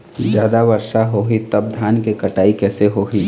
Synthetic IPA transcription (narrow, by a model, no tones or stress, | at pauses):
d͡ʒjaːd̪aʋəɾʃaɦoɦit̪əb̚d̪ʱaːnkekəʈaːikɛːseɦoɦi